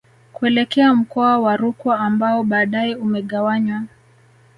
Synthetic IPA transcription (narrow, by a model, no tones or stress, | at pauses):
kuɛlɛkɛam̩kɔawaɾukwaːmbaɔɓaːɗaɛumɛɠawaɲwa